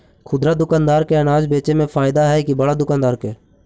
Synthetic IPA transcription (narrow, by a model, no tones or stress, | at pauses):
kʰʊd̪ɾaːd̪ʊkaːnd̪aːɾkeənaːd͡ʒbeːt͡ʃeːmẽːfʰaːɪd̪aːɦɛːkibəɽaːd̪ʊkaːnd̪aːɾkeː